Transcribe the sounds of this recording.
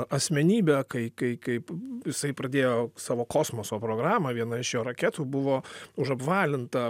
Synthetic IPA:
ɐsʲmʲɛnʲiːbʲɛkɐɪkɐɪkɐɪpjɪsɐɪpɾɐd̪ʲeːjoːsɑːʋoːkoːsmoːsoːpɾoːɡɾɑːmɐʋʲiɛnɐɪʃjoːɾɐkʲɛːt̪uːbʊʋoːʊʒɐpʋɑːlʲɪnt̪ɐ

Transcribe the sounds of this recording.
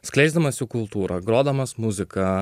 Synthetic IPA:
sʲklʲɛɪzd̪ɐmɐsʲɪkʊlˠt̪uːɾɐɡɾoːd̪ɐmɐsmʊzʲɪkɐ

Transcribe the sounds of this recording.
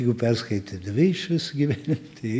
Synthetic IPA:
ɡʊpʲɛrskɐɪt̪ʲɐd̪ɐʋʲeɪʃʋʲɪsɐɡʲiʋʲæːnʲɪt̪ɐɪ

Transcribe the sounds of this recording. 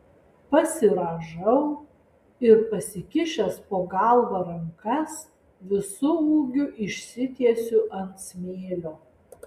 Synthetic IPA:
pɐsʲɪɾɐʒɐʊ | ɪɾpɐsʲɪkʲɪʃʲɛspoːɡɐˑlˠʋɐɾɐŋkɐs | ʋʲɪsʊuːɡʲʊʔɪʃʲsʲɪt̪ʲiɛsʲʊʔɐnt̪sʲmʲeːlʲoː

